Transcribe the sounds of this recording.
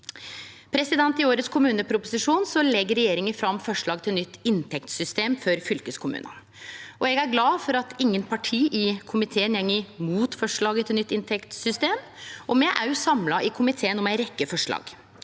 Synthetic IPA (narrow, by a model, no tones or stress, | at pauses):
pʰɾɛsɪd̪ɛnt̪ɪoːɾət̪skʰʊmʉːnəpʰɾʊpʊsɪʂuːnsɔlɛɡəɾɛjeːɾɪŋəfɾɑmːfɔʂɭɑːɡt̪ʰɪlnʏt̪ːɪnt̪ʰɛkt̪sʏst̪eːmfɔɾfʏlkəskʰʊmʉ̰ːnə̰ | ʔɔɛɡæɾɡlɑːfɔɾɑt̪ʰɪŋːənpʰɑʈʰiːʔɪkʰʊmɪt̪ʰeːənjɛŋːəmuːt̪fɔʂɭɑːɡət̪ʰɪlnʏt̪ːɪnt̪ʰɛkt̪sʏst̪eːmʔɔmɛʔɑʉsɑmlɑʔɪkʰʊmɪt̪ʰeːənɔmæɪɾɛkːəfɔʂɭɑ̰ːɡ